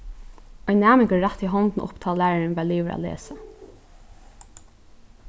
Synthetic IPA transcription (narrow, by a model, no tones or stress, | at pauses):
ɔjnːæːmɪŋkəːat̪iɦɔnt̪n̩ʔʊ̰pt̪ʰɑːllæːɹaɹɪnvæːɭliːʋəɾʔa̰lḛːsa